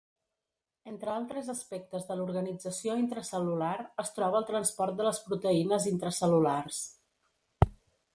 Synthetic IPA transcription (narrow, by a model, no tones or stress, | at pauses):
ent̪ɾəalˠt̪ɾəzəspɛk̚t̪əzðəluɾɣənid͡zəsioint̪ɾəsəlulaɾəst̪ɾɔβəːlˠt̪ɾənspɔɾt̪̚d̪ələspɾut̪əinəzint̪ɾəsəlulars